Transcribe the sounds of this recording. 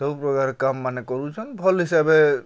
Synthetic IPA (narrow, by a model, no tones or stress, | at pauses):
ɔpɾɔkaɾkamːanekɔɾut͡ʃʰɔnbʱɔlɦisabe